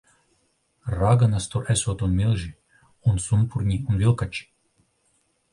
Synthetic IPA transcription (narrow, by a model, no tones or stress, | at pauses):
ɾaɡanast̪uɾʔɛsoːt̪unmʲilˠʒi | unsunpuɾnʲiunvʲilˠkat͡ʃi̥